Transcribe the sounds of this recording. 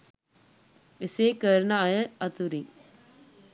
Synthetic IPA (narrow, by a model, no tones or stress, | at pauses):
ɪsekəɾnaːjəɐt̪uɾi